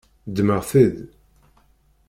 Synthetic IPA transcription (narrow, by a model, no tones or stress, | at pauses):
d̪ːməʁθið